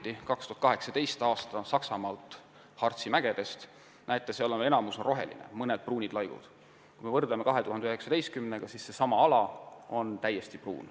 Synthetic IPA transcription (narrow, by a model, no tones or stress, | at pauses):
t̪ːikɑkst̪uɑt̪̚kɑɦeksɑt̪e̞jst̪ɑːst̪ɑsɑksɑmɑːlt̪ˑ | hɑrt̪simæɡ̥e̞d̪̥e̞st̪ | nʔæjt̪ːˑeseolemeenɑmusoro̞ɦe̞̰lḭnḛmɤned̪̥̚pruːnʲid̪lɑjɡ̥ṵd̪̥ | kkujme̞vɤrd̪̥leme̞kɑɦe̞t̪uɦɑnd̪øɦeksɑt̪ejst̪̚kymneɡ̥ɑsisːe̞sɑmɑɑlɑo̞nt̪æjːe̞st̪iprṵːn